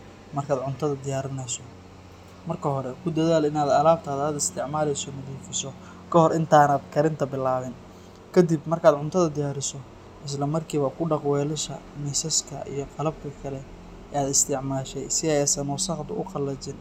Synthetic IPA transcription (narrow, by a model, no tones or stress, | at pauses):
mɐrkʰaːd̪ʕʊnt̪ʰɐðɐd̪ɪjaːɾɪnɛsɔ | mɐrkʰɐɦɔɾɛkʰʊd̪ɐðaːlɪnaːd̪ɐlaːb̚t̪ʰɐhɐd̪aːd̪ɪst̪ʰɪʕmaːlɛjsɔmɐðiːfɪsɔ | kʰɐhɔrʔɪnt̪ʰaːnaːd̪kʰɐɾɪnt̪ʰɐbɪlːaːβɪn | kʰɐd̪ibmɐrkʰaːd̪ʕʊnt̪ʰɐðɐd̪ɪjaːɾɪsɔ | ʔɪs̬lɐmɐrkʰiːβɐkʰʊɖɑqwɛːlɐʃɐ̰misɐskʰɐ̰ʔḭjɞqɑlɐb̚kʰɐkʰɐlɛ | ʔɛːaːd̪ɪst̪ʰɪʕmaːʃɛjsɪɛjɛsɐnɔːsɑqd̪ʊ̰ʔʊqɑlːɐt͡ʃɪn